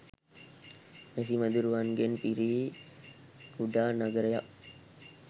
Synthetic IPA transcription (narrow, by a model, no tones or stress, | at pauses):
mes̬iməd̪uɾuʋanɡenpiɾiː | kuɖaːnaɡəɾəjaʔ